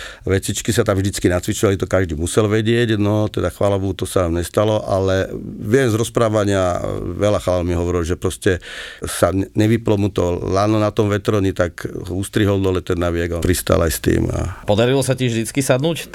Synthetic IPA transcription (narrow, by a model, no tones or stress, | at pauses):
ʋɛt͡sit͡ʃkisat̪amʒd̪it͡skinat͡sʋit͡ʃɔʋalit̪ɔkaʒd̪imusɛlʋɛɟɪɛɟnɔt̪ɛd̪axʋalabuut̪ɔsanamɲɛst̪alɔʔalɛʋɪɛmzɾɔspɾaːʋaɲɪaʋɛlaxlalmiɦɔʋɔɾilʒɛpɾɔscɛsaɲɛʋiplɔmut̪ɔlanɔnat̪ɔmʋɛt̪ɾɔɲit̪akust̪ɾiɦɔld̪ɔlɛt̪ɛnːaʋɪɛɡapɾist̪a̰lajst̪ḭːma̰pɔd̪aɾilɔsacɪɛʒvd̪it͡skisad̪nuːc